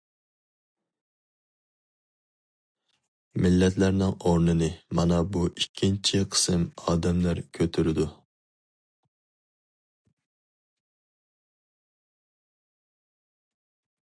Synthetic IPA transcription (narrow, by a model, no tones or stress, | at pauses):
mɪlːɛt̪læɾnɪŋoɾnɨnɨmɑnɑbuikʲʰːint͡ʃʰiqʰə̥sɨmɑːd̪ɛmlæɾkʲʰøt̪ʰyɾɪd̪u